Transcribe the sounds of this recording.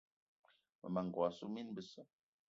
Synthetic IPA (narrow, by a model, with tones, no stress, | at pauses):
mə̰˨ma˨ŋ˨wa˨su˦mi˦nbə˨sə˦